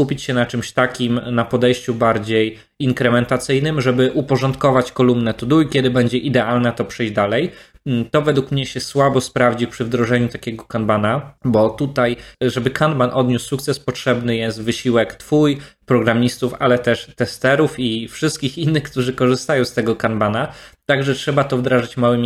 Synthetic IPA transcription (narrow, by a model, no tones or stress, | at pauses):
upʲit͡ɕɕɛnat͡ʂɘmɕt̪akʲimnapɔd̪ɛjɕt͡ɕubaɾd͡ʑej | iŋkɾɛmɛnt̪at̪sɘjnɘmʐɛbɘʔupɔʐɔnt̪kɔvat͡ɕkɔlumnɛt̪ud̪uikʲjɛd̪ɘbɛɲd͡ʑɛʔid̪ɛalnɛt̪ɔpʂɛjʑd͡ʑd̪alɛj | t̪ɔvɛd̪wukmɲɛɕɛswabɔspɾavd͡ʑipʂɘvd̪ɾɔʐɛɲut̪akʲɛɡɔkanbanabɔt̪ut̪ajʐɛbɘkanbanʔɔd̪ɲusːuk̚t̪sɛspɔtʂɛbnɘjɛst̪vɘɕiwɛkt̪fujpɾɔɡɾamʲist̪ufa̰lɛt̪ɛʂt̪ɛst̪ɛɾufifʂɘst̪kʲixinːɘxkt̪uʐɘkɔʐɘst̪ajɔ̃w̃st̪ɛɡɔkanbanat̪aɡʐɛtʂɛbat̪ɔvd̪ɾaʐɘt͡ɕmawɘmʲ